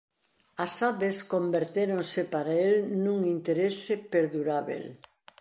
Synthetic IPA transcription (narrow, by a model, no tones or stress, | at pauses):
asaβeskombeɾt̪eɾoŋsɪpaɾaelnũŋint̪eɾesepeɾðuɾaβḛl